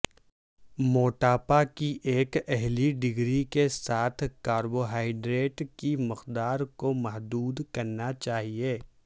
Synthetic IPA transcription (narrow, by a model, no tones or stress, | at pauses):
moːʈaːpakiʔeːkɛɦliɖɪɡɾikesaːt̪ʰkaːɾboɦaːɪɖɾeːʈkimɪqd̪aːɾkomɐɦd̪uːd̪kɐɾnat͡ʃaːɦieː